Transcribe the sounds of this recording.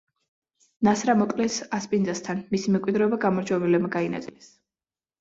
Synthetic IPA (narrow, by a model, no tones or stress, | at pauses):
nasɾamɔkʼlɛsaspʼindzast̪ʰanmisimɛmkʼwid̪ɾɛɔbaɡamɔɾd͡ʒʰwɛvɛlɛbmaɡaina̰t̪sʼilɛs